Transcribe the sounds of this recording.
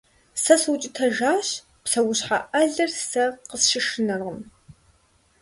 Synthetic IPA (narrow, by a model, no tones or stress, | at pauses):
sɐswʊt͡ʃʼɪtʰɐʒaːɕ | psɐwʊɕħa̰ʔɐɮɐrsɐqəsʃɪʂɨnɐrʁəm